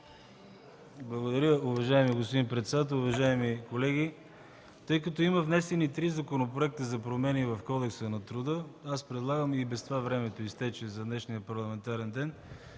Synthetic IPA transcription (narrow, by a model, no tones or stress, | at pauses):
blˠɐɡod̪ɐɾʲəʊvɐʒaɛmiɡos̬pod̪inpɾɛt̪sɛd̪at̪̬ɛlˠʊvɐʒaɛmikolɛɡʲi | t̪ɤjkɐt̪ɔimɐvnɛsɛnit̪ɾizɐkonopɾoɛk̚t̪əzɐpɾomɛnivɐfkɔd̪ɛksənɐt̪ɾud̪əaspɾɛd̪lˠaɡəmibɛst̪vavɾɛmɛt̪oist̪ɛt͡ʃɛzɐd̪nɛʃnijəpɐɾlˠɐmɛnt̪aɾɛnd̪ɛn